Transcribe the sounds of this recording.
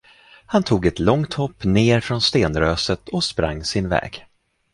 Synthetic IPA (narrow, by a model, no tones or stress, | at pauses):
hant̪ʰuːɡɛt̪lɔŋt̪hɔpːneːɾfɾɔnst̪eːnɾøːsət̪ʰɔspɾa̰ŋːsɪnvɛ̰ːɡ